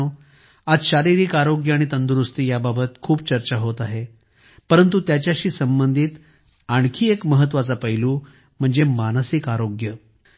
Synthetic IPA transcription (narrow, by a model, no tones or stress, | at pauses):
o | ad͡zɕaɾiɾikaɾoɡjəaɽ̃it̪ənd̪uɾust̪ijababət̪kʰuːp̚t͡ɕəɾt͡ɕaɦot̪aɦe | pəɾənt̪ut̪jat͡ɕjaɕiːsəmbənd̪ʱiːt̪ | aɳ̃kʰiːekməɦət̪̬ːʋat͡sapəɦiluː | m̤əɳd͡zemanəsikaɾoɡjə